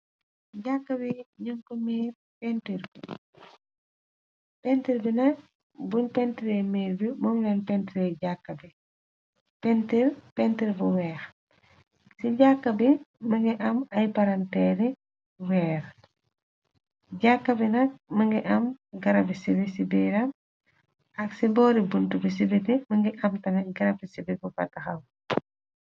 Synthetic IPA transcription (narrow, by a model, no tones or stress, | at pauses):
ɟakːɐbiɲɔŋkɔmiːɾ | pɛntiɾbi | pɛntiɾbinɐk̚ | bunpɛntiɾemiːɾbimɔŋɡɛnpɛntiɾɛɟakːɐbi | pɛntiɾpɛntiɾbuwɛːɾ | siɟakːɐbimɐŋɡiʔɐmɐjpɐɾɐntɛɾi | wɛːɾ | ɟakːɐbinɐk̚mɐŋɡiʔɐmɡɐɾɐbisibisibiɾɐm | ɐksibɔːɾibuntubis̬ibitimɐŋɡiʔɐmtɐmɛɡɐɾɐpisibifufɐ̰tːɐxɐm